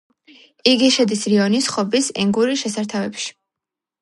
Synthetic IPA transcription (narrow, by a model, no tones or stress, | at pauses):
iɡiʃɛd̪isɾiɔnisχɔbisɛŋɡuɾiʃɛsaɾt̪ʰavɛpʃi̥